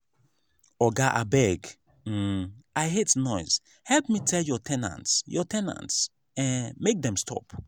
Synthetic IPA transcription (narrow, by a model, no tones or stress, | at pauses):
ɔɡaʔabɛɡ̩ | aɪɦetnɔɪz̥ | hɛlpmitʰɛljɔtʰɛ̃nã̰ntsjɔtʰɛ̃nã̰nts | ɛ̃nmek̚dɛ̃mstʰɔ̰p